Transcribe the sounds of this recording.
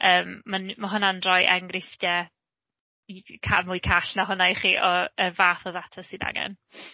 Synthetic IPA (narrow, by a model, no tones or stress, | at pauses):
ʔəːmːanmaɦʊnanrɔjʔɛŋɡrɪfdɛ | ikʰa̰mʊːjkʰaɬnaɦʊnajχiːʔɔərvaːθɔðatʰasɨna̰ŋɛ̰n